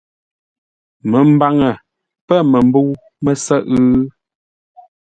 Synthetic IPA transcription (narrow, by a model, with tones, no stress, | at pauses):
mə˨m̩˦ba˦ŋə˨ | pə˦˨mə˨m̩˦bə˦w | mə˨sə˦ʔʉ˦